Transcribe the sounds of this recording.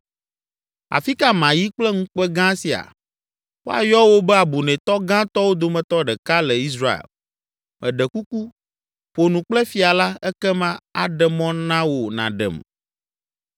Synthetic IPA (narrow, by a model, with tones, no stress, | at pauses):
a̰˨fi˦ka˦mã˨ji˦k͡plɛ˦ŋũ˦k͡pɛ˦ɡã˦si˨a̰˨ | wo˦a̰˨jɔ˦wo˦bɛ˦a˨bu˨nɛ̃˨t̪ɔ˦ɡã˦t̪ɔ˦wo˦d̪o˨mɛ̃˨t̪ɔ˦ɖɛ˨ka˦lɛ˨i˦s̬ɾa˦ḛ˨l | mʔɛ̃˨ɖɛ˨ku˦ku˦ | ɸo˨nũ˨k͡plɛ˦fi˨a˨la˦ɛ˦kɛ˦mã˦a˨ɖɛ˨mɔ̃˦nã˦wo˨nã̰˨ɖɛ̰˨m